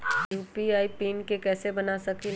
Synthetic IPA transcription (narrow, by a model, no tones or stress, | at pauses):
juːpiaːipiːnkekɛːsebɐnasɐki